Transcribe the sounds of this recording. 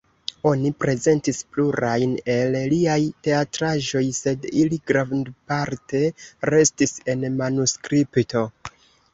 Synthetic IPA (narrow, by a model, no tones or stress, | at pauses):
o̞nipɾe̞ze̞ntispluɾajne̞lliajte̞atɾaʒo̞jse̞diliɡɾandpaɾte̞ɾe̞stise̞nmanuskɾipto̞